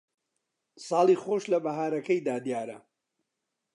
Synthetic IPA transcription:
sɑːlˠiːχoːʃlɐbɐɦaːɾɐkɐjd̪aːd̪ijaːɾɐ̰

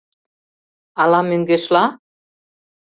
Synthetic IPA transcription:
ɑlɑmøŋɡeʃlɑ

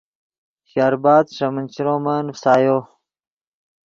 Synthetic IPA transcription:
ɕaːɾbaːd̪ʂɐmənt͡ɕiɾõːmanfsaːjo

